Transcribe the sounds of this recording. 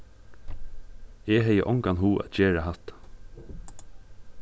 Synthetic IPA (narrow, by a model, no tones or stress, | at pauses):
ɛːɦɛjə̰ʔɔŋkanɦuːʔa̰t̪d͡ʒeːɹaɦat̪